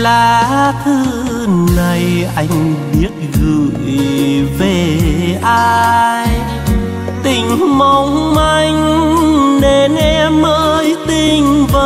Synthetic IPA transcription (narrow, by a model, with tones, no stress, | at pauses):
laː˨˩t̪ʰɨ˧ | na˨˩jʔa˧jŋ̟ɓi˦˥ət̚ɣɨ̰˧˨jve˧˩ʔaː˧j | t̪ï˨˩ŋ̟ma˨˧˩wŋ͡mma˧jŋ̟ | ne˧nʔɛ˧mʔəː˧jt̪ï˨˧˩ŋ̟və˧˩